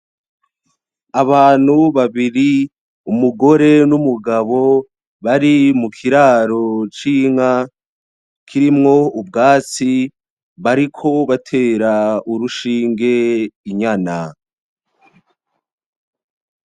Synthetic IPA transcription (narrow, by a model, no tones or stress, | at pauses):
aβaːn̥huβaβiɾi | umuɡo̞ɾe̞numuɡaβo̞ | βaɾimukʰiɾaːɾot͡ʃiːŋa | kʰiɾimŋo̞ub̚ɡaːt͡si | βaɾikʰo̞βatʰe̞ːɾauɾuʃiːŋɡe̞iɲana